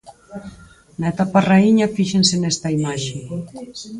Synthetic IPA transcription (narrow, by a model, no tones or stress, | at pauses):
naet̪aparaiɲɐfiʃensenɛst̪ɐimaʃe